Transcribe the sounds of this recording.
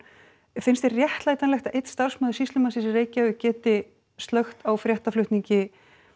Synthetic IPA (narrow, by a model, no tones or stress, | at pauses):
fɪnst̪ɛrrjɛht̪laːjt̪anlɛxt̪aðejt̪st̪ar̥smœːðʏsist̪lʏmansisɪreːjcaɪcɛːt̪ɪ | st̪lœxt̪awfɾjɛht̪aflʏht̪niɲcɪ